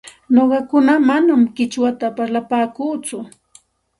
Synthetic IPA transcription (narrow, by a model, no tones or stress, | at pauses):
noɢɑkʊnamanamɢɪt͡ʃwat̪apaɾlapaːkuːt͡sʊ